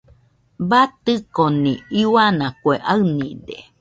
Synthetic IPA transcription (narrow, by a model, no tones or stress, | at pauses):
bat̪ɨkoniiwanakweʔaɨnḭd̪ḛ